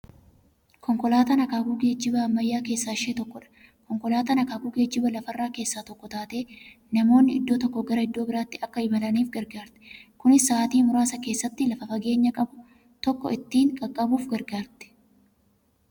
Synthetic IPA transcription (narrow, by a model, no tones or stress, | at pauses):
kʰɔŋkɔlaːt̪ɐnɐkaːkuːɡe̞ːd͡ʒːɪbɐɐmːɐjːaːke̞ːsːaːɪʃeːt̪ɔkːɔᶑɐ̥ | kɔŋkɔlaːt̪ɐnɐkaːkuːɡeːd͡ʒɪbɐlɐfɐrːaːke̞ːsːaːt̪ɔkːɔt̪aːt̪e̞ː | nɐmo̞ːnːɪɪd̪ːoːt̪ɔkːɔɡɐɾɐɪd̪ːo̞ːbɪɾaːt̪ːɪɐkːɐɪbɐlɐniːfɡɐɾɡaːɾt̪ɛ̥kʊnɪsːaːt̪iːmʊɾaːsɐke̞ːsːɐt̪ːɪlɐfɐfɐɡe̞ːɲːɐkʼɐbʊ | t̪ɔkːɔ̰ɪt̪ːiːŋkʼɐkʼːɐbuːfɡɐɾɡaːɾt̪ɛ̥